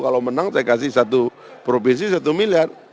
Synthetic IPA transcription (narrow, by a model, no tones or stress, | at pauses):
kalomənaŋsajakasihsat̪u | pɾofinsisat̪umiliar